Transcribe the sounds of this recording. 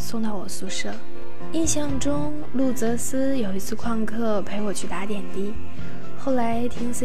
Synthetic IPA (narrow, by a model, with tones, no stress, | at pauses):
sʊ˥˧ŋt̪ɑ˥˩ʊwɔ˨˩su˥˧ʂɤ˥˩ | i˥˧ɕjɑ˥˩ŋʈ͡ʂʊ˥ŋ | lu˥˩t͡sɤ˧˥sɹ̩˥jo˨˩ʊi˧˥t͡sʰɹ̩˥˧kʰwɑ˥˧ŋkʰɤ˥˩pʰe˧˥ɪwɔ˨˩t͡ɕʰy˥˩t̪a˧˥t̪jɛ˨˩nt̪i˥ | xo˥˩ʊla˧˥ɪt̪ʰi˧˥ŋsʰɹ̩˥